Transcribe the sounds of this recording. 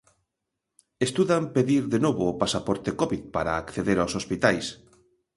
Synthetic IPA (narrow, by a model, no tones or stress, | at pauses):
est̪uðampeðiɾðenoβʊːpasapɔɾt̪ekoβiðpaɾa̰ːkθeðeɾawsospit̪ajs